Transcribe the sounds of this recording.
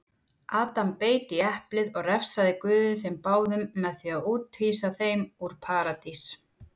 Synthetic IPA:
ʔaːt̪ampeːjt̪iɛhplɪðɔɣrɛfsaðɪkvʏːðɪsɛmpaːwðʏmːɛðθiaðuːt̪hiːsaθejmuɾ̥pʰaːɾat̪is

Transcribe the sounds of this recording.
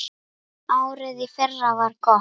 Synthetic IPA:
aːwɾɪðɪfɛrːavaɾ̥kɔ

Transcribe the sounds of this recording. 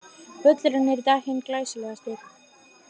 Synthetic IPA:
pœt̪lɾanɛɾt̪ahɪnklaːjsʏlɛɣast̪ɪɾ

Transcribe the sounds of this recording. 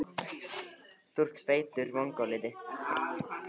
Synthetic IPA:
θur̥t̪feːjt̪ʏɾvɔŋkɔlɪðɪ

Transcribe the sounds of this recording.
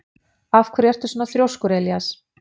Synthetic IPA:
afkʰvɛɾɛr̥t̪ʏsɔnaθɾʲjowskʏɾɛljas

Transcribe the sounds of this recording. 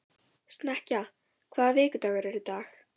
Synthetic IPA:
st̪nɛhca | kʰvaːðvɪːkʏt̪aːɣaɾɛɾʏt̪aːx

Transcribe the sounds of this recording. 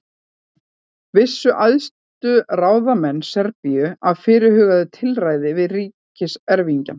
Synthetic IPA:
vɪsːʏʔajðs | t̪ʏraːwðamɛnːsɛɾpijʏaðfɪːɾɪhɦʏːɣaðɪt̪ʰɪlraːjðɪvɪðriːcɪsɛɾviɲca

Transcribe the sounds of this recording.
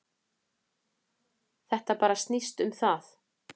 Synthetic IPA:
θɛht̪apaːɾast̪nist̪ʏmθaθ

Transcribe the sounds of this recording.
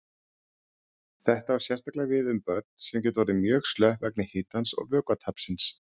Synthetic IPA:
θɛht̪avaɾ̥sjɛr̥st̪aklaɣvɪðʏmpœɾt̪̚n̥sɛmcɛːt̪vɔɾɪmjœːɣst̪lœhvɛk̚nɪheːjt̪ansɔ̰ɣvœːkvat̪ʰapsɪns

